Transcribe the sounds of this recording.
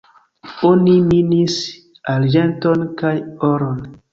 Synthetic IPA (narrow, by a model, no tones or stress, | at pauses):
oniminis | ald͡ʒentonkajoɾon